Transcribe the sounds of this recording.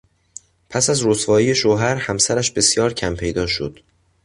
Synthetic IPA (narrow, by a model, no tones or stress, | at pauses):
pʰæsæzɾosvɒːije̞ʃoɦæɾhæmsæɾæʃbe̞sjɒːɾcʰæmpʰe̞jd̪ɒːʃo̰d̪̥